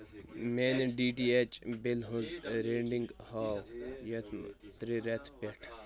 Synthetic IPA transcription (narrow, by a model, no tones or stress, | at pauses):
meːneɖiːʈiet͡ʃʼbilɦuzɾeɳɖiŋɡhaːwjet̪ʰmt̪ɾiɾet̪ʰbeʈʰ